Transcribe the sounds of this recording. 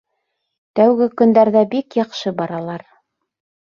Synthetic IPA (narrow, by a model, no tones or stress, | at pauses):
t̪æwɡɘkɵ̆nd̪æɾðæbikjɑqʃɤbɑɾɑlˠɑɾ